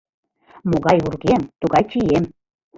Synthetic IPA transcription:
moɣɑjurɣemt̪uɣɑjt͡ɕijem

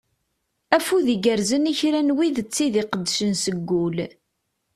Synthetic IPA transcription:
æfuðiɡəɾzəniçɾænwiðət͡sːiðiqəd̪ːʃənsəɡːul

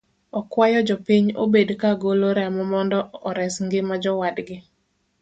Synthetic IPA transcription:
ɔkwajɔd͡ʒɔpiɲo̰bedkaɡoloɾɛmɔmɔndɔɔɾɛsŋɡɪmad͡ʒɔwadɡɪ

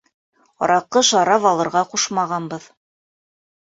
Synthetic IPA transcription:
ɒ̰ɾɑqːɤʃɑɾɑvɑlˠɤ̆ɾʁɑquʃmɑʁɑnbɤð

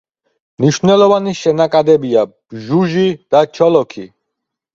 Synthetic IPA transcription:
mniʃvnɛlˠɔvaniʃɛnakʼad̪ɛbiab̥ʒuʒid̪̥at͡ʃʰɔlɔkʰi

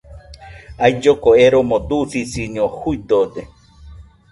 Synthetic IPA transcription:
ajd͡ʒokoeɾomõd̪usisiɲõhuid̪od̪e

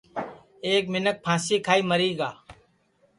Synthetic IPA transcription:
eːk̚mɪnək̚pʰãːsiːkʰaːiːməɾiːɡaː

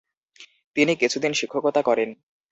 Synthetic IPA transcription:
t̪inikit͡ɕʰud̪inʃikʰːokot̪akɔɾen

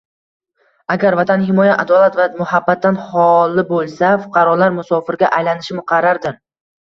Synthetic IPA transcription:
aɡʲaɾvat̪ʰanhɪmɒjaʔad̪ɒlat̪vamʊhabːat̪ːanhɒlɪbolˠsafʊ̥qʰɑɾɒlaɾmʊsɒfɪɾɡʲaʔajlanɪʃɪmɪqʰɑɾaɾd̪ɪn

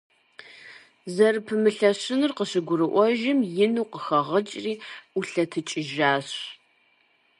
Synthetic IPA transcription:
zɐrpʰɨmɨɬɐɕɪnɨrqəɕɨɡʷʊɾɨʔʷɔʒɪmjɪnuːqəxɐʁɐt͡ʃʼriːuɬɐtʰɨt͡ʃʼɪʒaːɕ

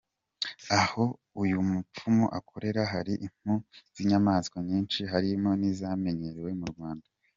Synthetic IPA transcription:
aho̞ | ujumup͡fumoʔakʰo̞ɾe̞ɾaɦaɾiʔiŋ̥huz̥iɲamaːskwaɲiːnʃiɦaɾimonizame̞ɲe̞ɾewe̞muɾɡwaːnda

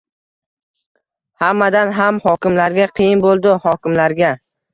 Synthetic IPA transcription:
hamːad̪anɦamhɒkʲɪmlaɾɡʲaqʰɨjɪnbolˠd̪ɪhɒkʲɪmlaɾɡʲa

